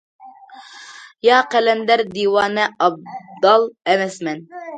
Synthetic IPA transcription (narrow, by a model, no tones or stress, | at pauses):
jɑːqælɛnd̪æɾd̪iwɑːnɛɑb̚d̪ɑlˠɛnɛsmɛn